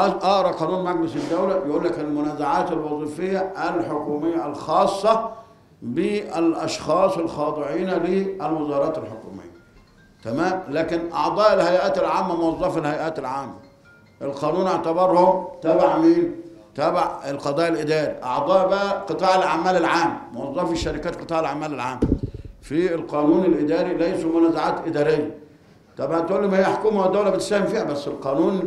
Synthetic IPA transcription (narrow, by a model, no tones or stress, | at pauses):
ʔɑʔɾˤɑqɑːnuːnmæɡ̚bɪsɪd̪ːæwlæjɪʔuːlːækɪlmʊnæːzaʕaːt̪ɪlwɑzˤiːfɪjːæʔælħokuːmɪjːælxɑːsˤːɑ | bɪælʔɑʃxɑːsˤelxɑːd̪ˤɪʕiːnæliælwɪzɑːɾˤɑːt̪ɪlħokṵːmɪ̰jːæ | t̪æmæːmlæːkɪnʔɑʕd̪ˤɑːʔɪlhæjʔæːt̪ɪlʕaːmːæmʊwɑzˤːɑːfalhæjʔæːt̪ɪlʕaːmːæ | ʔɪlqɑːnuːnʔeʕt̪abɑɾˤhʊmt̪æːbaʕmiːnt̪æːbaʕɪlqɑd̪ˤɑːʔɪlʔɪd̪ɑːɾḭʔɑ̰ʕd̪ˤɑːʔbæʔæqɨt̪ˤɑːʕɪlʕa̰mːæːlɪlʕaːmːmʊwɑzˤːɑːfiʃːæɾɪkæːt̪qɨ̥t̪ˤɑːʕɪlʕamːæːlɪlʕaːmːfilqɑːnuːnɪlʔɪd̪æːɾilæjsumʊnæːzaʕaːt̪ʔɪd̪ɑːɾɪjːæ | t̪ɑbæt̪ʔuːlːemæhɪjːæħokuːmawad̪ːawlæbɪt̪sæːhɪmfiːhæbæsːɪlqɑːnuːn